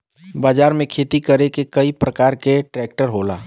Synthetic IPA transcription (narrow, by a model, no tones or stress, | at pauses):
baːd͡ʒaːɾmẽkʰeːt̪ikəɾekekəipɾəkaːɾkeʈɾɛːk̚ʈəɾɦoːla̰ː